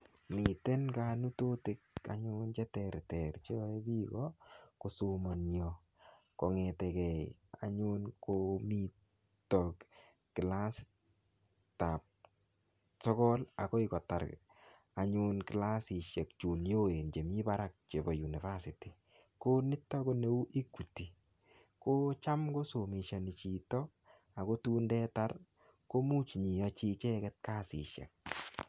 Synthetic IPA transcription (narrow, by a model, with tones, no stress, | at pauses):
mi˨te˦nka˦nu˦to˦tɪ˦k̚a̰˨ɲʊnd͡ʒɛ˦tɛɾtɛɾt͡ʃe˦ɔ˦e˦bi˦ɡɔko˨sumɔ˨njo | kɔ˨ŋetɛ˨kɛ˨a̰˨ɲu˦nkomi˦ | tɔk | kɪ˨la˦s | ta˨p̚ | sɔ˦kɔ˦la̰˨kɔ˦i˦kɔ˨ta˨ɾ | a˨ɲʊ˧nkɪ˨la˦si˨ʃe˨k̚t͡ʃu˨njo˦e˨nd͡ʒe˨mi˦ba˦ɾa˦k̚t͡ʃe˨bɔ˨ju˨ni˨va˦siti˨ | ko˦nɪ˦tːɔ˦ko˦ne˦u˦ʔi˦kːu˨ti˨ | ko˦t͡ʃa˦mko˦so˨mi˨ʃa˨ni˨t͡ʃi˨tɔ˦ | a˨ko˦tuː˦ndɛ˦ta˦r | ko˦mu˦t͡ʃɲi˨ɔ˧t͡ʃi˦t͡ʃɛ˦kɛ˦t̚ka˦sḭ˨ʃɛ̰˨k̚